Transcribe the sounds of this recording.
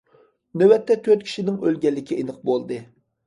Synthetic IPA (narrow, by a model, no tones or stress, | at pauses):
nøwɛt̪ːɛt̪ʰøɾt̪̚kʲʰi̥ʃinɪŋølɡʲɛlːɪkʲʰiʔenɨq̚bolˠd̪ɨ